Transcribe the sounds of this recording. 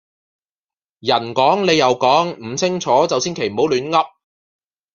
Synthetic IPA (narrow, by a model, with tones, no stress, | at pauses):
jɐ˨˩nkɔː˨˥ŋle˨˧jɐ˨wkɔː˨˥ŋm̩˨˩t͡sʰɪ˥ŋt͡sʰɔː˨˥t͡sɐ˨wsiː˥nkʰe˨˩jm̩˨˩ho˨˥wlyː˨˧˥nŋɐ˥p̚